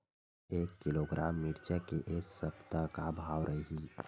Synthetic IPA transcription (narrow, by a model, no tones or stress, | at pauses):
eːkːɪloːɡɾaːmːiɾt͡ʃəkeʔessəpt̪akabʱaːʋɾʔəɦiː